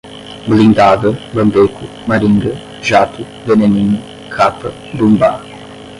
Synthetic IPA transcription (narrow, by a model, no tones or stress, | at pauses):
blind̪ad̪əbəmbeku | maɾiŋɡə | ʒat̪u | veneniŋ | kʰapə | dumba